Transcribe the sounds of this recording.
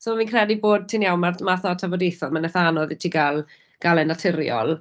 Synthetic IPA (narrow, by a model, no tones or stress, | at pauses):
soːminkʰrɛdiboːd̚tʰɪnjawmamaθɔtʰavɔdejθɔlˠmanɛθanɔðitʰiɡalˠ | ɡ̥alˠɛnatʰɪɾjɔ̰lˠ